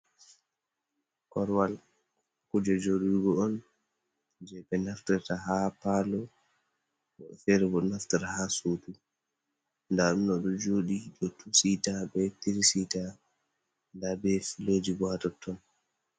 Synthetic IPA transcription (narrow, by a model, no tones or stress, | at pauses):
kɔɾwal | kud͡ʒɔd͡ʒoɗiɡɔɔn | d͡ʒɛbɛnaftɛtaɦapaːlɔ | fɛɾɛbɔnaftɛɾahasuːtu | ndaɗunɔɗɔd͡ʒoɗiɗɔtʰusitabɛtiɾsita | ndabɛfilod͡ʒiɡatɔtʰːɔn